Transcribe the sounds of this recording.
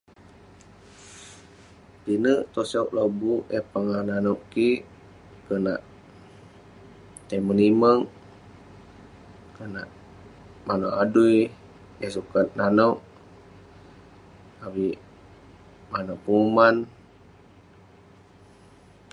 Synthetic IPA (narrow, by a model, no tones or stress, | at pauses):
pinəʔt̪osoʔlobuɛpaŋananɔʔkiʔ | kənaʔ | t̪eməniməŋ | kənaʔ | manoʔaduj | ɛsukat̪̚nanɔʔ | awiʔ | manoʔpuŋuman